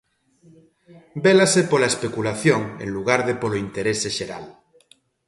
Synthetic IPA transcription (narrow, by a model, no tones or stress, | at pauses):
belasepolaespekulaθjoŋḛŋluɣ̞aɾðepoloint̪eɾeseʃeɾa̰l